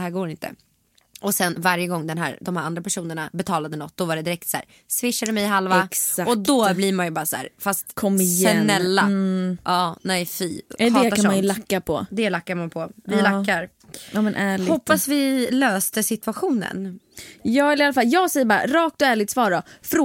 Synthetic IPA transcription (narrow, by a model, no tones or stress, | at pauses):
ɦæːɾɡoːɾɪnt̪ʰə̰ | ʔɔsɛnvaɾjəɡɔŋːd̪ɛnɦæ̰ːɾd̪ɔmhæːɾand̪ɾapʰæʂuːnəɳabɛt̪ʰɑːlad̪ənɔt̪̚ːd̪̥ɔvaɖɛd̪ɪɾɛk̚t̪sæ̰ːɾ | svɪʂːad̪əmɛjɦalvaɛsaɔd̪ɔblɪɾmanjɵbɑːɾasæ̰ːɾfast̪kʰɔmɛnɛlːaʔɑːnɛjfiːɛk̪aaʂɔmlakːapʰɔ̰d̪ɛlakːaɾmanpʰɔvɪlakːaɾ | aːmɛnʔæːɭɪhɔpːasvɪløːst̪əsɪt̪ʉaɧuːnə̰n | jɑːɛlɪalːafaljɑːɡsɛjːəbɑːɾa̰ɾɑːkt̪ɔæːɭɪt̪svɑːɖɔfɾ